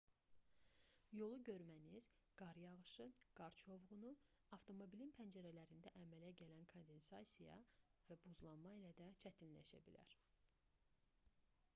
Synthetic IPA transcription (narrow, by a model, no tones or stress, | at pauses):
jo̞lˠuɟø̞ɾmæniz̥ | ɡ̥ɑɾjɑʁɯʃɯɡ̥ɑɾt͡ʃʰo̞vʁunu | ɑft̪ʰo̞mo̞bilinpʰænd͡ʒæɾælæɾind̪æʔæmælæɟælænkʰo̞nd̪e̞nsɑsʲijɑ̰væbuzlˠɑnmɑilæd̪æt͡ʃʰæt̪ʰinlæ̰ʃæ̰bilæ̰ɾ